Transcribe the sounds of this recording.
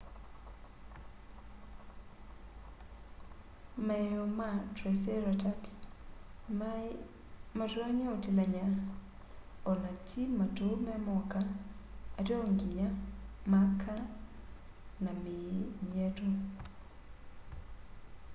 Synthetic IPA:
mɛɔmatɾasɛɾataps | mataɲaotilaɲa | ɔnat͡ʃimatomɛmɔkaː | dɔŋɡiɲamakʰa | namɪɲiɛdo

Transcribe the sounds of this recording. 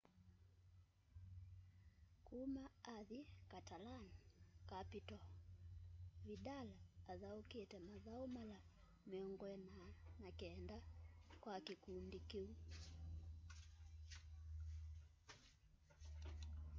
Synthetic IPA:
kumaaðikatalankapitɔ | βiɗalaːðauketɛmaðaɔmala | mɛɔŋɡɔɛnanakɛndakwakikundikiu

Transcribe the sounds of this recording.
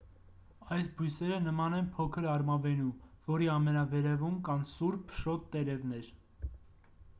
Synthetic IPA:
ɑjsbujsɛɾənəmɑnɛnpʰɔkʰəɾɑɾmɑvɛnuvɔɾiɑmɛnɑvɛɾɛvumkɑnsuɾpʰʃɔt̪ːɛɾɛvnɛɾ

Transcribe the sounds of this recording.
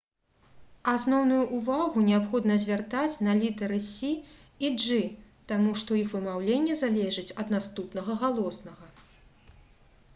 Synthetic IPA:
asnɔwnujuʔːvaɣunʲɛapxɔd̪nɐzʲvʲart̪at͡sʲnɐlʲit̪ɐɾɨsʲi | iʐɨ | t̪amuʂt̪ɔixvɨmawlʲenʲːɛzalʲɛʐɨt͡sʲɐd̪nast̪upnɐɣɐɣalˠɔsnɐɣɐ

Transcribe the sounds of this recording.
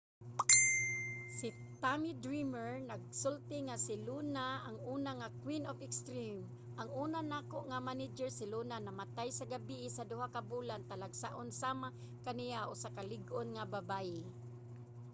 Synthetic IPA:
sit̪amid̪ɾimɛɹnaɡ̚sʊlt̪ɪŋasɪlunaaŋuːnaŋakwinofɛkst̪ɾim | ʔaŋuːnanaːkoʔŋamanɪd͡ʒɛɹsɪlunanamat̪ajsaɡabiʔɪsad̪ʊɦakabulant̪alaɡsaʔonsaːma | kanijaʔosakalɪɡʔonŋababaɪ

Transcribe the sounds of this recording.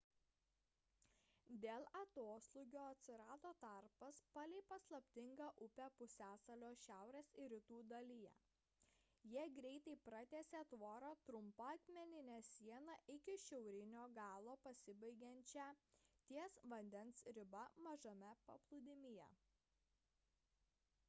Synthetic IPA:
d̪ʲeːlˠɐt̪oːsʲlˠʊɡʲoːɐt̪ʲsʲɪɾɑːd̪oːt̪ɐɾpɐspɑlʲɛɪpɐslˠɐpʲt̪ʲɪŋɡɑʔʊpʲæpʊsʲæːsɐlʲoːʃʲæˑʊɾʲeːsɪɾʲɪt̪uːd̪ɐlʲɪjɛ̰ | jiɛɡɾʲɛɪt̪ɐɪpɾɐt̪ʲeːsʲeːt̪ʋoːɾoːt̪ɾʊmpɐɐt̪ʲmʲɛnʲɪnʲæːsʲiɛnɐʔɪkʲɪʃʲɛʊɾʲɪnʲoːɡɑːlˠoːpɐsʲɪbɐɪɡʲɛnʲt͡ʃʲɛt̪ʲiɛsʋɐnʲd̪ʲɛnsɾʲɪbɐmɐʒɐmʲɛpɐ̰plˠʊd̪ʲɪmʲɪjɛ̰

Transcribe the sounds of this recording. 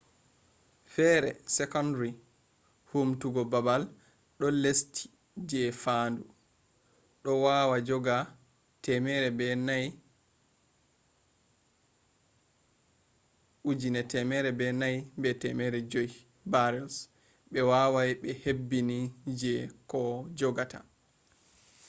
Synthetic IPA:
fɛɾɛ̰sɛkɔndɾi | humtuɡɔbabal | ɗɔlestʰi̥ | d͡ʒɛfandu | ɗɔwaːwad͡ʒɔɡa | tɛmɛɾɛbɛnaj | ʔud͡ʒinɛtɛmɛɾɛbɛnajbɛtɛmɛɾɛd͡ʒoj | baɾɛls | ɓɛwawajɓɛhebːinid͡ʒɛkɔd͡ʒɔɡata̰

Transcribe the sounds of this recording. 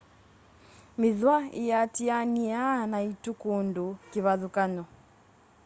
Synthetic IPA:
mɪðwaḭjatianianaitukondokeβaðukanɔ

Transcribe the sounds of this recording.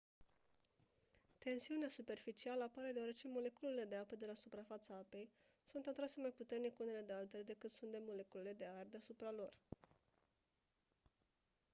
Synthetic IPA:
t̪e̞nsiuneasupe̞rfit͡ʃialəapaɾe̞d̪eaɾe̞t͡ʃe̞mo̞le̞kulele̞d̪e̞apəd̪e̞lasupɾafat̪saape̞j | sunt̪at̪ɾase̞majput̪e̞rnikune̞le̞d̪ealt̪e̞le̞d̪e̞kɨt̪sunt̪d̪e̞mo̞le̞kulele̞d̪e̞ard̪easupɾalo̞r

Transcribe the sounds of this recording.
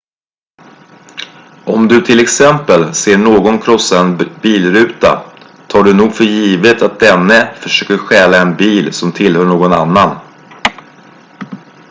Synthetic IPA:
ʔɔmd̪ɵt̪ʰɪlɛksɛmpəlseːɳoːɡɔnkʰɾɔsːaɛnbiːlɾʉ̟ːt̪a̰ | t̪ʰɑːɖɵnuːɡfœɾjiːvət̪at̪̚d̪ɛnːəfœʂøːkəɾɧɛːlaɛnbiːlsɔmt̪ʰɪlhœːɳoːɡɔna̰nːan

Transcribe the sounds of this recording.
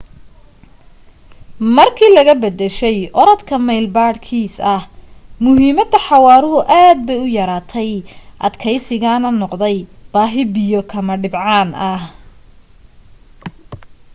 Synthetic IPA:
mɐrkʰiːlɐɣɐbɐd̪ɛʃɛjʔɔɾɐd̪kʰɐmɛjlbaːɖkʰiːsɐhmʊɦiːmɐd̪ɐħɑwɑːɾʊɦʊʔaːd̪̚bɛjʊjɐɾaːt̪ʰɛjʔɐd̪kʰɛjsɪɣaːnɐnɔqd̪ɛjb̥aːɦɪbɪjɔkʰɐmɐɖɪbʕɑːnɐh

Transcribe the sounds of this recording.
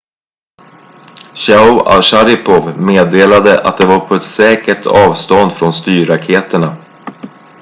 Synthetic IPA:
ɕaʊa̰ʂaɾɪpʰɔvmeːd̪eːlad̪əʔa̰t̪̚d̪ɛvaɾpʰɔɛt̪sɛːkəʈʰɑːvst̪ɔnd̪fɾɔnst̪yːɾakʰeːt̪əɳa

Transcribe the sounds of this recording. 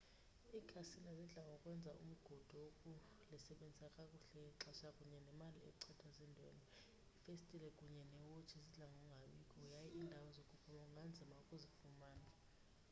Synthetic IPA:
iːkʰasinɛziɮaŋʱɔkʼwɛnd͡zʱaʔṵm̩ɡ̥ʱɔd̥ʱɔwokʼu | lisɛɓend͡zʱisakʼakʼuɬɛǁasakʼuɲɛnɛmaliɛ̰ǀʰɛtʰazindʱɔ̰nɔ | ifestʼilɛkʼuɲɛnɛwot͡ʃʰiziɮaŋɔŋɡʱaɓikʼɔjajiʔindʱawɔzokʼupʰumaŋɡʱand͡zʱimaukʼuzifumaːna

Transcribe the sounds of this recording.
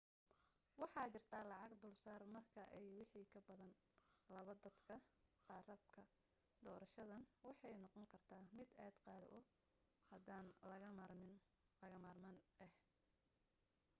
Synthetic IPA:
wɑħɑːt͡ʃɪrt̪ʰaːlɑʕɑɡd̪ʊlsaːrmɐrkʰɐʔɛjwɑħiːkʰɐbɐðɐn | lɐβɐd̪ɐd̪kʰɐɑrɐb̚kʰɐ | d̪ɔːɾɐʃɐðɐnwɑħɑjnɔqɔŋkʰɐrt̪ʰaːmɪd̪ɛːd̪qɑːð̰ʔɔ | hɐd̪aːnlɐmɪn | ɐɣɐmaːrmɐnɛh

